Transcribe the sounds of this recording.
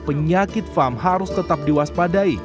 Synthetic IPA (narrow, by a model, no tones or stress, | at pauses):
pəɲakɪt̪famɦaɾʊst̪ət̪ap̚diwaspadai